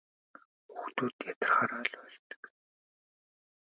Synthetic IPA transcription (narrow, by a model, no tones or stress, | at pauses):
xuxt̪uːt̪jat̪ə̥̆rχaːɾœːɮœːɮt̪ə̥̆k